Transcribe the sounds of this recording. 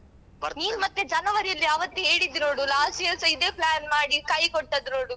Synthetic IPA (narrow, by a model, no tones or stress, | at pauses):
ɐniːnmɐt̪ːed͡ʒɐnɐʋɐɾijɐlːijɐːʋɐt̪ːuɦeːɽid̪ɾo̞ːɽulaːsiɐlsɐid̪e̞ːplaːnmaːɽikɐjkoʈːɐd̪ɾoːɽu